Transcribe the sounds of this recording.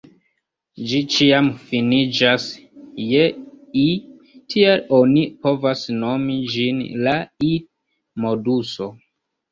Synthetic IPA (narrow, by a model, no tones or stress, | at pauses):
d͡ʒit͡ʃiamfinid͡ʒas | jei | tʰielonipo̞vasno̞mid͡ʒinlaid | moduso